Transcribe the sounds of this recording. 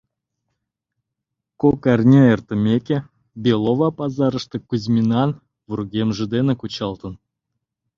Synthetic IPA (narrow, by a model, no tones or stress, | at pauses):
kokɑrʲnʲeert̪ə̆mʲekʲe | bʲelˠovɑpɑzɑɾə̆ʂt̪ɤ̆kuzʲmʲinɑn | vurɡʲemʒə̆d̪enĕkut͡ɕɑlˠt̪ɤ̆n